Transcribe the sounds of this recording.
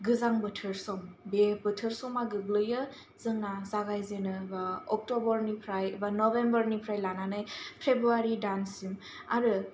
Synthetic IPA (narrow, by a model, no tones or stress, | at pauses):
ɡɯzaŋbɯtʰɯɾsɔmbebɯtʰɯɾsɔmaɡɯɡlɯjɯ | zɯŋnazaɡajzenɯbaɔk̚tɔbɔɾnipʰɾajbanɔbembəɾnipʰɾajlananɯjpʰebɾuaɾidansim | a̰ɾɯ